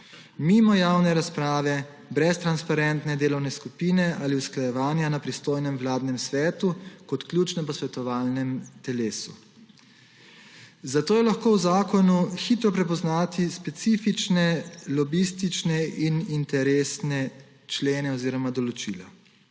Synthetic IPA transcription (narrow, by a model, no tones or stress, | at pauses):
mimɔjaːwnɛɾaspɾaːʋɛ | bɾɛst̪ɾanspaɾɛnt̪nɛd̪eːlɔwnɛskupiːnɛaːliusklajɛʋaːnjanapɾist̪oːjnɛmwlaːd̪nɛmsʋɛːt̪ukɔt̪kljuːt͡ʃnɛpɔsʋɛt̪ɔʋaːlnɛmt̪ɛleːsu | zat̪oːjɛlaxkoːwzaːkɔnuxit̪ɾɔpɾɛp̬ɔznaːt̪ispɛt̪sifit͡ʃnɛlɔbist̪it͡ʃnɛinint̪ɛɾeːsnɛ | t͡ʃleːnɛɔziːɾɔmad̪ɔlɔt͡ʃiːla